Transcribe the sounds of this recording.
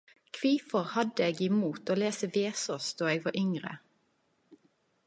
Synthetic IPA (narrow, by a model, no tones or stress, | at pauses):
kʰʋiːfɔʁhɑd̪əeːɡɪmuːt̪oːleːsəʋeːsɔsd̪̥oːeːɡʋɑːʔʏŋʁə̰